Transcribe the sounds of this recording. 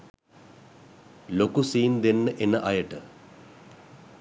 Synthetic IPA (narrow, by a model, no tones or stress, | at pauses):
lokusiːnd̪enːəʔenəʔajəʈə